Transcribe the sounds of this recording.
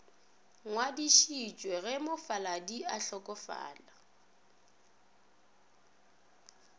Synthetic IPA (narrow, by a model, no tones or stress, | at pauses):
ŋwadiʃit͡ʃʼweɣɛmʊfaladiaɬɔkʼɔfa̰ːla